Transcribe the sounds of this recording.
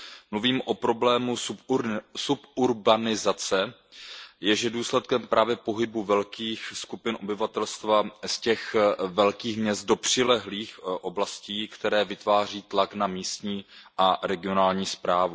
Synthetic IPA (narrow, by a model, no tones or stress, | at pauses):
mluviːmʔo̞pɾo̞blɛːmu | supuɾbanɪzat͡sɛ | jɛʒɛduːslɛt̪̚kɛmpɾʔaːvjɛpo̞ɦɪbuvɛlkiːxskupɪnʔo̞bɪvat̪ɛlst̪vascɛxvɛlkiːxmɲɛst̪̚do̞pr̝̥ɪlɛɦliːxʔo̞blasciːkt̪ɛɾɛːvɪt̪vaːr̝iːt̪laknamiːst̪ɲiːʔaɾɛɡɪonaːlɲiːspɾaːvu